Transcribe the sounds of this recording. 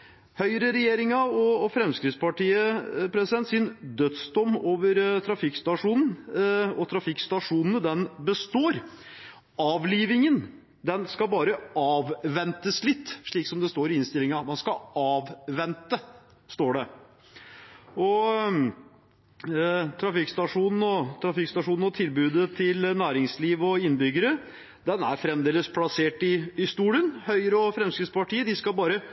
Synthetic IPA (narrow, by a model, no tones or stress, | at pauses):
hœʏɾəɾɛjeːɾɪŋɑɔfɾɛmskɾɪt̪spɑʈiːəpʰɾɛsɪd̪ɛnt̪sɪnd̪œt̪sd̪ɔmːoːʋəɾt̪ʰɾɑfɪkst̪ɑʂuːnn̩ɔt̪ʰɾɑfɪkst̪ɑʂuːnnəd̪ɛnbəst̪oːɾ | ɑːʋliːʋɪŋən | d̪ɛnskɑbɑːɾəʔɑːʋʋɛnt̪əslɪt̪ːʂɭiːksɔmd̪ɛst̪oːɾɪɪnst̪ɪlɪŋɑmɑnskɑɑːʋʋɛnt̪ə | st̪oːɖɛ | ɔ | t̪ʰɾɑfɪkst̪ɑʂuːnn̩ɔt̪ʰɾɑfɪkst̪ɑʂuːnn̩ɔt̪ʰɪlbʉːd̪ət̪ʰɪlnæːɾɪŋsliːʋɔɪnbʏɡːəɾə | d̪ɛnæɾfɾɛmd̪eːləspʰlɑseːʈɪɪst̪uːlənhœʏɾəɔfɾɛmskəspɑʈiːəd̪ɪskɑbɑːɾə